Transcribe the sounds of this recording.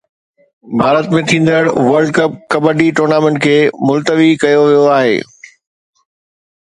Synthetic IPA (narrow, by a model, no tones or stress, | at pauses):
bʱaːɾət̪mẽt̪ʰĩːn̆d̪əɽʋɐɾɖ̚kɐp̚kɐbəɖiʈoːɾnaːmɛ̃ɳʈkʰeːmʊlt̪əʋikɐjoʋijoaːɦḛː